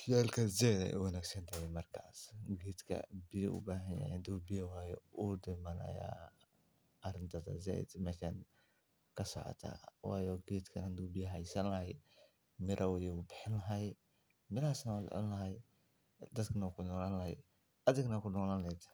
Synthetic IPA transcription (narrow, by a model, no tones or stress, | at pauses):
jaːlkʰɐzɛd̪ɐ̰jʔṵwɐnaːɡsɐnt̪ʰɐhɛmɐrkʰaːsɡɛːd̪kʰɐ̰bɪjɐʔʊ̰baːɦɐja̰ʕɪnd̪ubɪjɐwaːjɔud̪ɪmɐnɐ̰ja̰ː | ɐɾɪnt̪ʰɐðɐ̰zɛ̰d̪mɛːʃan | kʰɐsɔ̰ʕɔ̰t̪ʰa̰ːwɑ̰ːjɔɡɛːt̪kʰɐnɐnd̪ubɪjɐɦɐjsɐnlɐhɐj | mɪɾʔɐwjɛʊbɪħɪnlɐɦɐj | mɪlɐhaːsnɐwalɛ̰ʕɔ̰nlɐɦɐj | d̪ɐd̪kʰɐnɐkʰʊnɔːlanlɐhɐj | ɐðɪɡnɐkʰʊnɔːlanɛt̪